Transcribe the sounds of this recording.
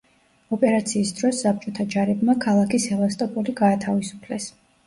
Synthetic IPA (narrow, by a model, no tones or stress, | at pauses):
ɔpʼɛɾat̪sʰiːsd̪ɾɔsːap̚ʰt͡ʃʼɔt̪ʰad͡ʒaɾɛbmakʰalˠakʰisɛlˠast̪ʼɔpʼuliɡaːt̪ʰavisu̥pʰlɛs